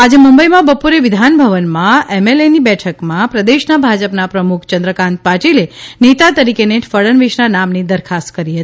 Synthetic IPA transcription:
ad͡ʒemumbəjmãbəpoɾeʋɪd̪ʱanbʱəʋənmãemelenibɛʈʰəkmãpɾəd̪eʃnabʱad͡ʒəpnapɾəmukʰt͡ʃənd̪ɾəkãnt̪̚paʈilenet̪at̪əɾikeneʈʰfəɭənʋiʃnanamnid̪əɾkʰast̪kəɾiɦət̪ii

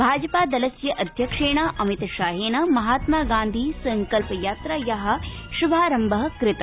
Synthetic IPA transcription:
bʱaːd͡ʒɐpaːd̪ɐlɐsjɐʔɐd̪ʱjɐkʂeːɳ̃aʔɐmit̪ɐʃaːɦeːnɐmɐɦaːt̪maːɡaːnd̪ʱiːsɐŋkɐlpɐjaːt̪ɾajɐɦɐ̆ʃubʱaːɾɐmbɐɦɐ̆kɾɪt̪ɐ

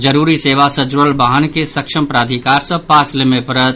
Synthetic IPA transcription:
d͡ʒəɾuɾiseʋasəd͡ʒɾəlbaɦənkesəkʃəmpɾaːd̪ʱikaɾsə̃paslemepəɾət̪

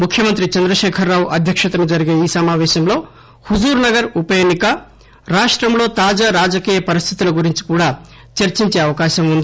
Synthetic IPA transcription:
mukʰjɐmɐnt̪̬ɾit͡ʃɐnd̪ɾɐʃɛːkʰɐɾːaːwʔɐd̪ʱjɐkʂɐt̪ɐnud͡ʒɐɾiɡeːiːsɐmaːʋɛːʃɐmlo̞ː | huzuːɾnɐɡɐɾupɐjeːnːikɐ | ɾaːʂʈɾɐmlo̞ːt̪aːd͡ʒaːɾaːd͡ʒɐkiːjɐpɐɾist̪ʰi̥t̪ulɐɡuɾiɲt͡ʃi̥kuːɽaː | t͡ʃɐɾt͡ʃiɲt͡ʃe̞ːɐʋɐkaːʃɐmund̪i

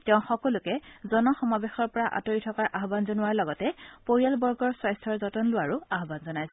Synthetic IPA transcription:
tɛʊ̃xɔkɔlʊkɛzɔnɔxɔmabexɔɹpɔɹaʔa̰toɹitʰɔkaɹʔaɦbanzɔnʊwaɹlɔɡɔtɛpoɹijalbɔɹɡɔɹswajstʰɔɹzɔtɔnlʊwaɹʊaɦbanzɔnajsɛ

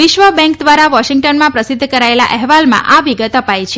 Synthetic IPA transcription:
ʋɪʃʋəbɛ̃ŋkd̪ʋaɾaʋɔʃiŋɡʈənmãpɾəsɪid̪ʱːkəɾaela̰ʔɛɦʋalmã̰ʔaʋiɡət̪əpajt͡ʃʰe

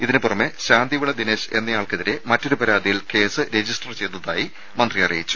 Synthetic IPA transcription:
iðinɨpurɐmːeɕaːnd̪ʱiʋuɭːɐd̪ineːɕe̞nːɐjaːɭkɐðiɾe̞mɐtːo̞ɾupɐɾaːd̪ijilke̞ːsɨɾed͡ʑisʈɐrt͡ɕe̞jt̪ːɐðaːji | mɐnd̪rijɐrɐjit͡ɕːu̥

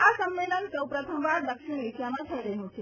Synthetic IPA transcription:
asəmːelənsəwpɾət̪ʰəmʋaɾd̪əkʃinesjamãt̪ʰəiɾəɦũt͡ʃʰe

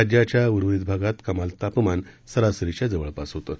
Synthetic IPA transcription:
ad͡ʑjat͡ɕjauɾʋʋid̪bʱaɡat̪kəmalt̪apmansəɾasəɾit͡ɕjad͡zəʋəɭpasɦot̪o

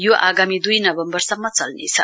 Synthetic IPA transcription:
joʔaɡamid̪ujnʌbʌmbʌrsʌmːʌt͡sʌlnḛt͡sʰʌ̰

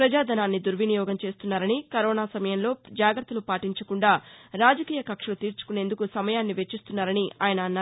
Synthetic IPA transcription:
pɾɐd͡ʒaːd̪ɐnaːnːid̪uɾʋinijɔːɡɐmt͡ʃe̞ːst̪unːaːɾɐnikɐɾoːnaːsɐmɐjɐnlo̞ːd͡ʒaːɡɐɾt̪ːɐlupaːʈiɲt͡ʃɐkuɳɖaːɾaːd͡ʒɐkiːjɐkɐkʂɐlut̪iːɾt͡ʃu̥kune̞ːnd̪ukusɐmɐjaːnːiʋet͡ʃːist̪unːaːɾɐniaːjɐnɐːnːaː

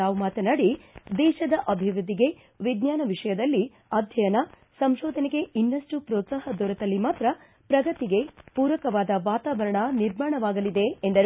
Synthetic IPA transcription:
aːʋumaːt̪ɐnaɽid̪ɛːʃɐd̪ɐʔɐbʱiʋɾud̪ʱːiɡe̞ | ʋiɡ̪ɲaːnɐʋiʂɐjɐd̪ɐlːi | ɐːd̪ʱjɐjɐnɐ | sɐmʃɔːd̪ʱɐneɡe̞inːɐsʈupɾɔːt̪saɦɐd̪ɔɾɐt̪ɐlːimaːt̪ɾɐ | pɾɐɡɐt̪iɡe̞puːɾʋɐkɐʋaːd̪ɐʋaːt̪aːʋɐɾɐɳɐniɾmaːɳɐʋaːɡɐlid̪e̞ːnd̪ɐɾ

